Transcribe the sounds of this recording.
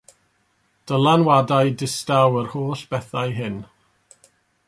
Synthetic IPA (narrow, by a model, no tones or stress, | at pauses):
d̥əlˠanwadajdɪstawərhoːɬb̥ɛθajɦɪn